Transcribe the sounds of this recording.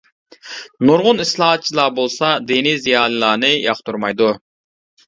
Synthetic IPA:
nuɾʁʊnislˠɑːɑt̪̚t͡ʃʰilˠɑbolˠsɑd̪inizijɑːlˠɨlˠɑːnɨjʔɑχt̪ʰuɾmɑjd̪u

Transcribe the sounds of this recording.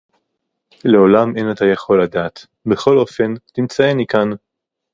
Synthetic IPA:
le̞o̞lamenatajaχo̞lːadaːt | be̞χo̞lo̞fe̞ntimt͡saenikan

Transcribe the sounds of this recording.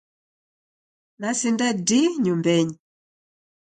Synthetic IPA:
nasindɛdiɲumbɛɲi

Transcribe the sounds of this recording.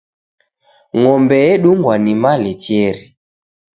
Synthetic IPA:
ŋɔmbɛɛɗuŋɡwanimalɛt͡ʃɛɾi

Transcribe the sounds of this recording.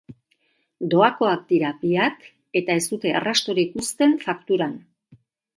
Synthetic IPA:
d̪o̞ako̞ak̚d̪iɾabiat̪ | e̞t̪ae̞sd̪ut̪e̞a̰rast̪o̞ɾikust̪e̞ɱfakt̪uɾan

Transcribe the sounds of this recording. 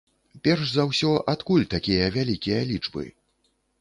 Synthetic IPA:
pʲɛrʂzawsʲɔʔat̪kulʲt̪akʲijɐvʲalʲikʲijɐlʲit͡ʂbɨ̰

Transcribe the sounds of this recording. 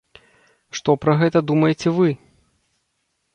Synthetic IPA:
ʂt̪ɔpɾɐɣɛt̪ɐd̪umɐjet͡sʲɛvɨ

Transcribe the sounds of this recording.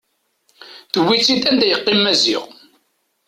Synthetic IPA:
θəwːit͡sːid̪ænd̪æjəqːɪmːæzḭʁ

